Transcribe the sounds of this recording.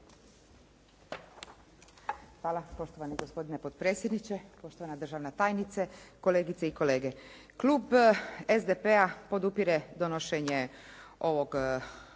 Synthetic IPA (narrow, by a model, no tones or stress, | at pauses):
xʋaːlapo̞ʃt̪o̞ʋaniɡo̞spo̞d̪inepot̪pɾeːtsjed̪nit͡ɕepo̞ʃt̪oʋanad̪r̩ʒaːʋnat̪aːjnit̪seko̞leːɡit̪seiko̞le̞ːɡe | kluːbezd̪epeapo̞d̪upiɾed̪o̞noʃeɲe | o̞ʋo̞ɡ